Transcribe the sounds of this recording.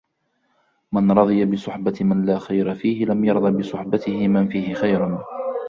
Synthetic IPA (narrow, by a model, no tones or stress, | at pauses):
manɾˤɑðˤɨjabɪsˤʊħbat̪manlaːxajɾafiːhɪlamjɑɾˤd̪ˤɑbɪsˤʊħbat̪ɪhɪmanfiːhɪxajɾʊn